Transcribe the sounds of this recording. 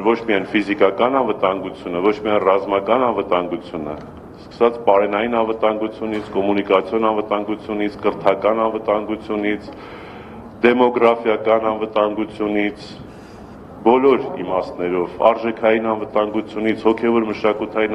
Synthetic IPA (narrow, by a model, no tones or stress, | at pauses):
vɔt͡ʃʰmiɑjnfizikɑkɑnɑnvət̪ɑŋɡut͡sʰjunəvɔt͡ʃʰmiɑjnrɑzmɑkɑnɑnvət̪ɑŋɡut͡sʰjunə̰ | skə̥sɑt͡spɑɾɛnɑjinɑnvət̪ɑŋɡut͡sʰjunit͡sʰkɔmunikɑt͡sʰjɔnɑnvət̪ɑŋɡut͡sʰjunit͡sʰkəɾt̪ʰɑkɑnɑnvət̪ɑŋɡut͡sʰjunit͡sʰ | d̪ɛmɔɡɾɑfjɑkɑnɑnvət̪ɑŋɡut͡sʰjunit͡sʰ | bɔlɔɾḭmɑst̪nɛɾɔvɑ̰ɾʒɛkʰɑjinɑnvət̪ɑŋɡut͡sʰjunit͡sʰhɔkʰɛvɔɾməʃɑkut̪ʰɑjin